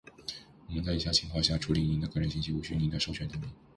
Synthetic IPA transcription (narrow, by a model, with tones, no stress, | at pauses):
wɔ˨˩mə˦nt͡sa˥˩i˨˩ɕja˥˩t͡ɕʰi˨˩ŋkʰɑ˥˧ʊɕja˥˩ʈ͡ʂʰu˧˥li˨˩˥ni˧˥nd̪ə˧kɤ˥˩ɻə˧˥ɕi˥˧ɕi˥u˧˩ɕy˥˩ni˧˥nd̪ə˧ʂo˥ʊɕʰɥɛ˧˥nt̪ʰə˧˥i˧˥˦ŋ